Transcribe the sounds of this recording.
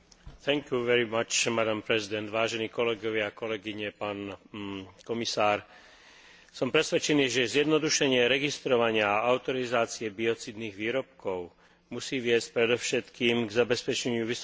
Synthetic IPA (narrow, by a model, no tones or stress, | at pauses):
θʰɛŋkjuʋɛɾimat͡ʃmad̪ampɾɛzid̪ɛnd̪ʋaːʒɛniːkɔlɛɡɔʋɪakɔlɛɡiɲɛpaːn | kɔmisaːɾ | sɔmpɾɛsʋɛt͡ʃɛniːʒɛzjɛd̪nɔd̪uʃɛɲɪɛɾɛɡist̪ɾɔʋaɲɪaaʔaʊt̪ɔɾizaːt͡siɛbiɔt͡siːd̪niːɣʋiːɾɔp̚kɔʊ | musiːʋɪɛsc̚pɾɛd̪ɔʊʃɛt̪kiːmɡzabɛspɛt͡ʃɛɲɪuʋis